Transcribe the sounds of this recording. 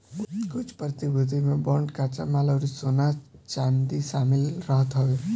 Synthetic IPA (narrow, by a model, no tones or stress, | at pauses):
kʊt͡ʃʰpɾət̪ibud̪ʱimẽbɔɳɖkat͡ʃa̰maləɾisonat͡ʃand̪isamɪlɾəɦət̪ɦəʋe